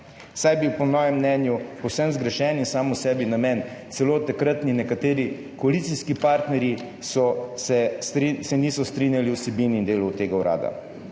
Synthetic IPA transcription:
sajbiwpɔmɔːjɛmːnɛːnjupɔwsɛmzɡɾɛʃɛːninsaːmusɛːbinamɛnt̪sɛloːt̪akɾət̪ninɛkat̪eːɾi | kɔalit̪siskipaːɾt̪nɛɾji | sɔsɛsisɛniːsɔst̪ɾinjaliwsɛbiniːnd̪eːlut̪eːɡawɾa̰ːd̪a̰

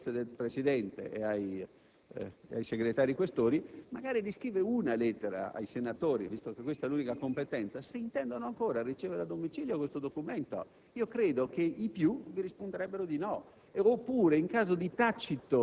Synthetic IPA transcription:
t̪ed̪elpɾesid̪ɛnt̪ḛʔeaj | ajseɡɾet̪aːɾikwest̪oːɾimaɡaːɾid̪iskɾiːveunalɛt̪ːeɾa̰a̰jsenat̪oːɾḭvist̪okekːwest̪aluːnikakompet̪ɛnt̪saseint̪ɛnd̪onoaŋkoːɾarit͡ʃɛːveɾad̪omit͡ʃiːljokwest̪od̪okumɛnt̪o̰ | iːokɾeːd̪okeipjuviɾispond̪eɾɛbːeɾod̪inɔː | pːuːɾeiŋkaːzod̪it̪at͡ʃːit̪o

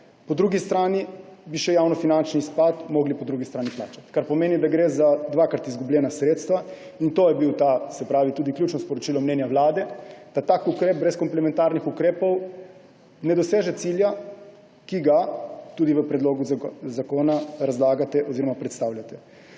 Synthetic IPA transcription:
pɔd̪ɾuɡist̪ɾaːnibiʃɛjawnɔfinant͡ʃnispat̪mɔːɡlipɔd̪ɾuɡist̪ɾaːnipla̰ːt͡ʃḁt̪kaɾpɔmeːnid̪aɡɾeːzad̪ʋakaɾt̪izɡubljɛːnasɾeːt̪st̪ʋa | int̪ojɛbiwt̪asɛpɾaːʋit̪uːd̪iklut͡ʃnɔspɔɾɔt͡ʃilɔmnɛːnjaʋlaːd̪ɛd̪̥at̪aːkukɾeːb̚bɾɛskɔmplɛmɛnt̪aɾnixukɾeːpɔw | nɛd̪ɔseːʒɛt̪silja | kiɡat̪uːd̪iʋəpɾɛd̪loːɡuzzakoːnaɾazlaːɡat̪ɛʔɔziɾɔmapɾɛt̪st̪aːwlʲjat̪ɛ

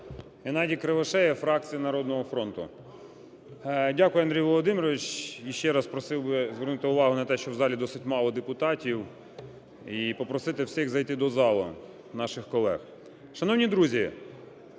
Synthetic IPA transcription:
enɑdʲikɾeʋɐʃɛjɛfɾɑk̚t͡sʲijinɐɾɔd̪̚nɔɦɔfɾɔnt̪ʊ̰ | dʲakʊjɛɐnd̪ɾʲijʋɔlˠɔd̪ɪmʲɪɾɔʋʲɪt͡ʃiʃt͡ʃɛɾɑspɾɔsɪwbɪzʋernʊt̪ɪʊʋɑɦʊnɐt̪ɛʃt͡ʃɔwzɑlʲid̪ɔsɪtʲmɑlˠɔd̪epʊt̪ɑtʲiw | ipɔpɾɔsɪt̪ɪwsʲiɣzɐjt̪ɪd̪ɔzɑlˠʊ̰ | nɑʃɪxkɔlˠɛx | ʃɐnɔwnʲid̪ɾuzʲi

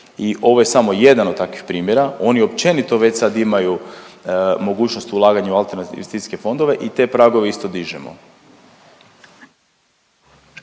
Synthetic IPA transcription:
iʔo̞ʋo̞je̞samo̞je̞d̪anod̪t̪akʋixpɾiːmjeɾao̞nio̞pt͡ʃe̞nit̪o̞ʋet͡ɕsad̪imaju | mo̞ɡuːt͡ɕnost̪ulˠaːɡaɲuualˠt̪eɾnat̪ḭʋest̪isi̥ske̞fo̞nd̪o̞ʋe̞ʔit̪e̞pɾaɡoʋeist̪o̞d̪iʒemo̰

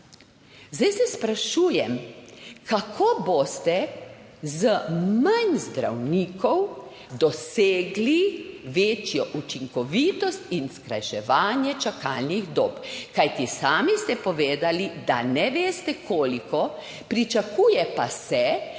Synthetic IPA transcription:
zd̪ajsɛspɾaʃuːjɛmkakʰoːbost̪ɛ | zəmanzd̪ɾa̰wniːkɔw | d̪ɔseːɡliʋeːt͡ʃjɔʔut͡ʃiŋkɔʋiːt̪ɔst̪inskɾa̰jʃɛʋaːnjɛt͡ʃaka̰ːlniɣd̪oːpkajt̪isaːmist̪ɛpɔʋeːd̪alid̪anɛʋeːst̪ɛkʰoːlikɔ | pɾit͡ʃakuːjɛpasɛ

